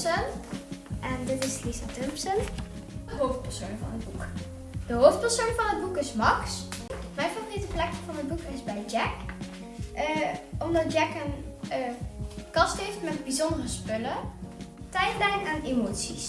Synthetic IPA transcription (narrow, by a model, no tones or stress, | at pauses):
sən | ʔɛndɪtɪslisatɵmpsən | əɦowft̚pɛɹsoːnvɑ̰nɦəd̚buk | d̥əɦoːft̚pɛɹsoːnvɑnɦəd̚bukɪsmɑksmɛjnvavoritəplɛkəvɑnəd̚bukɪzbɛjd͡ʒɛk | ɔmdɑt̚d͡ʒɛkən | kɑstɦejftmɛt̚bizɔndərəspɵlə | tɛjlɛjnaːnemoːtsis